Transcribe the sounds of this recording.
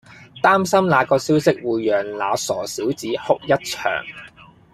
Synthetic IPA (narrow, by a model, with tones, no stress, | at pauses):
t̪aː˥msɐ˥mlaː˨˧kɔː˧siː˨˥wsɪ˥k̚wuː˨jːœː˨˩ŋla̰ː˨˧sɔː˨˩siː˨˥wt͡siː˨˥hʊ˥k̚jɐ˥t̚t͡ʃʰœ̰ː˨˩ŋ